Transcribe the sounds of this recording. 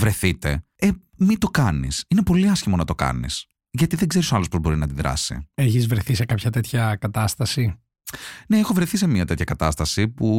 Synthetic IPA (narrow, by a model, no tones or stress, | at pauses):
vɾe̞θit̪e̞̰ | e | mit̪o̞kɐnḭsine̞po̞liɐsçimo̞nɐt̪o̞kɐ̰nḭs | ʝɐt̪iðe̞ɡze̞ɾisoɐlo̞spozbo̞ɾinɐd̪iðɾɐ̰sḭeçizvɾe̞θisekɐpçɐt̪e̞t̪çɐkɐt̪ɐst̪ɐsi | ne̞exo̞vɾe̞θise̞miɐt̪et̪çɐkɐt̪ɐst̪ɐsipu